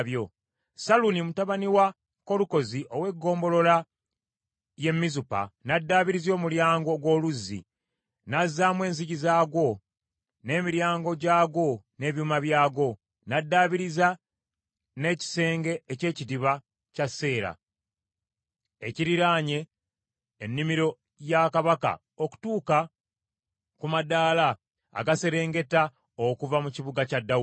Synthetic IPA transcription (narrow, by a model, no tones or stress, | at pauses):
βjo̞ | salunimutaβaniwa | ko̞luko̞ziʔowe̞ɡːo̞ːmbo̞lo̞la | je̞mːizupa̰nadːaːβiɾizjo̞ːmuljaːŋɡo̞ɡwo̞ːluzːḭ | nazːaːmwe̞ːnziɟizaːɡwo̞ | ne̞ːmiɾjaːŋɡo̞ɟaːɡo̞ne̞ːβjuːmaβjaːɡo̞ | nadːaːβiɾiza | ne̞ːci̥se̞ːŋɡe̞ːce̞ːcidiβa | casːe̞ːɾa̰ | eciɾiɾaːɲe̞ː | nːimiɾo̞ | jakaβaka̰ | oku̥tuːka | kumadaːla̰ː | ɡase̞ɾe̞ːŋɡe̞ta | okuvamuciβuɡacadːa